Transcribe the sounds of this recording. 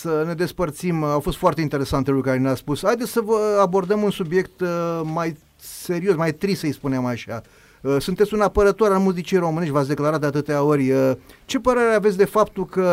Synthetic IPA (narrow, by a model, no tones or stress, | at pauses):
səne̞d̪e̞spərt̪simawfost̪foart̪e̞int̪eɾe̞sant̪elukaɾeneaspushajd̪et̪sʲsəvəabo̞rd̪əmunsubje̞kt̪maj | se̞ɾio̞smajt̪ɾisəjspuneamaʃa | əsunt̪et̪sʲunapəɾət̪o̞ɾalmuzit͡ʃijejɾo̞mɨneʃʲvat̪sʲd̪eklaɾat̪d̪eat̪ɨt̪eao̞rʲət͡ʃe̞pəɾe̞ɾeavet̪sʲd̪e̞fapt̪ulkə